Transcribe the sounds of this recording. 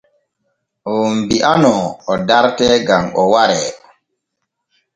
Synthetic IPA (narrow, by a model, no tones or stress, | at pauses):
ʔɔmbiʔanɔɔdaɾtɛɡamɔwaɾɛ